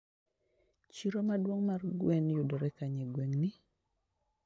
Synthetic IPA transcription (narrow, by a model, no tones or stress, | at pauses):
t͡ʃiɾomadwoŋmarɡwɛnjudɔɾɛkaɲeɡweŋni